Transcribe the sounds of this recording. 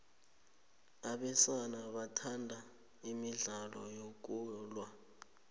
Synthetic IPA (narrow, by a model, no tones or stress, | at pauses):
aɓɛsanaɓatʰandʱa | imiɮalɔjok̬ulwa